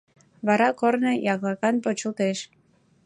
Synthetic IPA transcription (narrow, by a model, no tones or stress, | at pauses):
βɑɾɑkornejɑɣlɑkɑnpot͡ɕult̪eʃ